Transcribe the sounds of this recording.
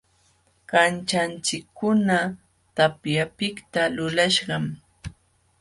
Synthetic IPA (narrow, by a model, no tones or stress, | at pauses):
kant͡ʃant͡ʃɪkʰːʊna | t̪apjapɪkt̪alʊlaʃɢɑm